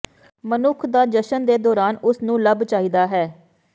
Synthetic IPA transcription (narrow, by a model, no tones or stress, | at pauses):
mənʊkʰd̪aːd͡ʒəʃənd̪eːd̪ɔːɾaːnʊsnũːləbt͡ʃaːiːd̪aːɦɛː